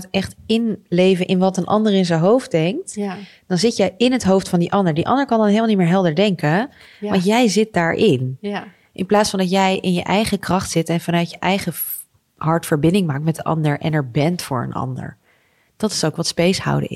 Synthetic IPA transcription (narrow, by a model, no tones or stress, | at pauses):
tɛχtɪnlejvənʔɪnʋɑtənʔɑ̰ndəɹɪnzənɦowf̚dɛŋk̚t | d̥ɑnzɪtjɛjɪnɦətɦowftfɑndiʔɑndəɹdiʔɑ̰ndəɹkɑndɑnɦejlmalnitmɪːɹɦɛlˠdəɹdɛŋkə | ʋɑntjɛjzɪt̚daːɹʔɪn | ʔɪnplaːtsfɑndɑtjɛjʔɪnjəʔɛjχəkrɑχtsɪtɛnvɑnœɥtjəʔɛjχə | ɦɑɹtfəɹbɪndɪŋmaːk̚tmɛtdəʔɑ̰ndəɹʔɛ̰nɛɹbɛntfʊ̰ːɹə̰nɑ̰ndə̰ɹ | d̥ɑtɪ̥sowkʋɑtspejsha̰wdə̰ɪ̰